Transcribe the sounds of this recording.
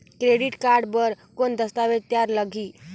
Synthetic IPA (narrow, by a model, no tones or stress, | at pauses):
kɾeɽiʈkaɾɖbəɾ | kond̪əst̪aʋet̪jaɾləɡʱiː